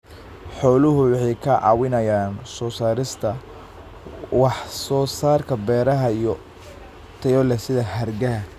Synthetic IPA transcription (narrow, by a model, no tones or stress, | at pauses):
ħɔːlʊɦʊwɑħɛjkʰɐʕɑ̰ːwɪnɐjaːnsɔːsaːɾɪst̪ʰɐ | wɑħsɔːsaːrkʰɐbɛːɾɐɦɐijɔ | t̪ʰɛjɔlɛsɪðɐhɐrɡɐ